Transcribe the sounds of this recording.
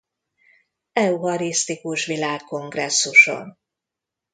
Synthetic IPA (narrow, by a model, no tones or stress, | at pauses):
ɛuɦɒɾist̪ikuʃʋilaːkːo̞ŋɡrɛsːuʃo̰n